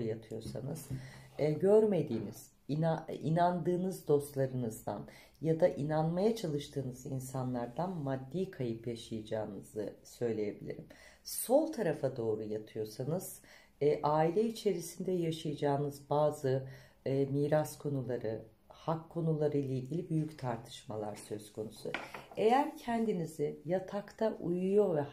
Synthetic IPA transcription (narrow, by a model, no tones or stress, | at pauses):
jat̪ʰɯjo̞ɾsa̰nɯz̥ɟøɾme̞d̪iːniz̥ | ainand̪ɯːnɯzd̪o̞st̪lˠaɾɯnɯzd̪a̰n | jad̪aʔinanmajat͡ʃʰalˠɯʃt̪ʰɯːnɯzinsanlˠaɾd̪anmad̪ːiːkʰajɯpjaʃajad͡ʒaːnɯz̥ɯsø̞jlʲeje̞bilʲḭɾim | so̞lˠt̪ʰaɾafad̪o̞ːɾujat̪ʰɯjo̞sanɯz̥ː | ʔaːilʲɛit͡ʃʰe̞ɾisind̪ɛjaʃajad͡ʒaːnɯzbaːzɯː | miːɾaskʰo̞nulˠaɾɯ | hakʰːo̞nulˠaɾɯjlˠailʲɟilʲibyjyct̪ʰaɾt̪ʰɯ̥ʃma̰lˠa̰ɾsø̞zkʰo̞nusṵejæɾcʰɛnd̪inizɪjat̪ʰakt̪ʰaʔujujo̞vɛ